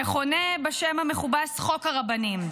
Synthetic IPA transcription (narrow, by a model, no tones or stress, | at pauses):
eχonebaʃemhameχubasχo̞khaʁabanim